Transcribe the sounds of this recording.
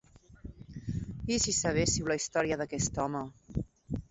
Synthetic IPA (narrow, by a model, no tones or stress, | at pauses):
isisəβ̞esiwlaist̪ɔɾiəðəkɛst̪ɔmə